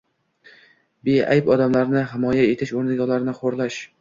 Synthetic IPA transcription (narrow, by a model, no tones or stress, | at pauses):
bea̰jpɒd̪amlaɾnɪɦɪmɒjae̞t̪ʰɪʃoɾnɪɡʲalˠaɾnɪχoɾlaʃ